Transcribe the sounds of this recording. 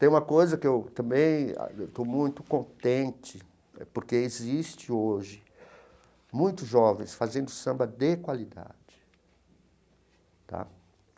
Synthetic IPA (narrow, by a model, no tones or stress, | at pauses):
t̪ẽj̃ũmɐkojzɐkɪewt̪ɐ̃mbẽj̰̃wt̪omũj̃t̪ʊ̥kõnt̪ẽnt͡ʃɪ | poɾkeezist͡ʃɪoʒɪ | mũj̃t̪ʊzʒɔvẽj̃sfazẽnd̪ʊsɐ̃mbɐd̪ekwalid̪a̰d͡ʒɪ̥ | t̪a̰